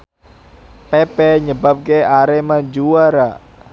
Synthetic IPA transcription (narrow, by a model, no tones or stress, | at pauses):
pepɛɲəbap̚keaɾemad͡ʒuwaɾa